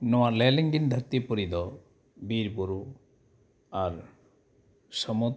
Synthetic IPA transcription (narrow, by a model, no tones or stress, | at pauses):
nɔwaleliŋɡind̪ʱəɾt̪ipɔɾid̪ɔ | biɾpuɾu | aɾ | sɔmud̪